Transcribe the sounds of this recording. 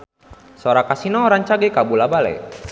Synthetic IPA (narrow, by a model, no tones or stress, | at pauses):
soɾakasinɔːɾaŋt͡ʃaɡɛkabulabalɛ̰